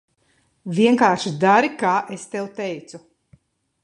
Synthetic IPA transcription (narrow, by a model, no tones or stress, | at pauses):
vʲiɛŋkaːɾʃid̪aɾikaːʔest̪ɛwt̪ɛjt̪su